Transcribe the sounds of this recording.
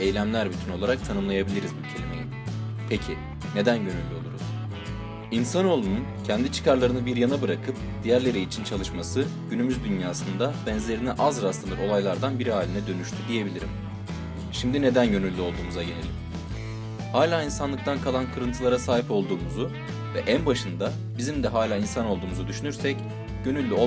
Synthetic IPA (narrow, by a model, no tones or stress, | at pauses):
ejlʲæmlʲæɾbyt̪ʰyno̞lˠaɾak̚t̪ʰanɯmlˠajabilʲiɾizbucʰe̞lʲime̞jin | pʰe̞cʰi | ne̞d̪ænɟø̞nylʲːyo̞lˠuɾṵz̥ | insano̞lˠununcʰɛnd̪it͡ʃʰɯ̥kʰaɾlˠaɾɯnɯbiɾjanabɯɾakʰɯp̚ | d̪̥ijæɾlʲe̞ɾiːt͡ʃʰint͡ʃʰalˠɯʃmasɯɟynymyzd̪ynjaːsɯnd̪abɛnzlʲe̞ɾiniʔazɾast̪ˠɯɯɾo̞lˠajlˠaɾd̪anbiɾiɦaːlʲinɛd̪ø̞nyʃt̪ʰyd̪ije̞bilʲiɾḭm | ʃimd̪ine̞d̪ænɟø̞nylʲːyo̞lˠd̪uːmuzaɟe̞lʲe̞lʲim | haːlʲaːinsanlˠɯk̚t̪ʰankʰalˠankʰɯɾɯnt̪ʰɯlˠaɾasaːɦipo̞lˠd̪uːmuzu | vɛʔænbaʃɯnd̪a | bizimd̪ɛɦaːlʲaːinsano̞lˠd̪uːmuzud̪yʃynyɾsɛc | ɟ̥ø̞nylʲːyo